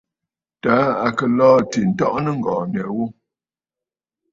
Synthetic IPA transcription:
taː˨˦a˨kə˨lɔː˦ti˨n̩˨tɔ˦ʔnə˦ŋ̩˨ɡɔː˨nɛ˨wo˦

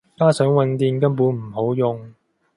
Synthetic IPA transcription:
kaː˥sœː˨˥ŋwɐ˨˧nt̪iː˨˧nkɐ˥mpuː˨˥nm̩˨˩ɦo˨˥wjʊ˨ŋ

